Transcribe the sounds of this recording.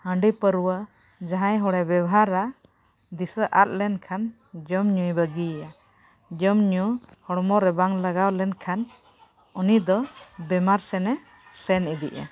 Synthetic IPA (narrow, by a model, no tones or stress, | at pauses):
həɳɖipəɾuwə | d͡ʒaɦãjɦɔɽɛbɛbɔɦaɾːa | d̪isəʔa̰t̪̚lɛnkʰan | d͡ʒɔmɲujbəɡia | d͡ʒɔmɲuhɔɽmɔɾɛbaŋlaɡawlɛnkʰan | ɔnid̪ɔbɛmaɾsɛnɛ | sɛnid̪iʔɛ̰